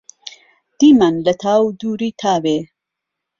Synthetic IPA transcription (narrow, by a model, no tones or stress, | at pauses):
d̪̥iːmanlɐt̪ʰaːwd̪uːɾiːt̪ʰaːwe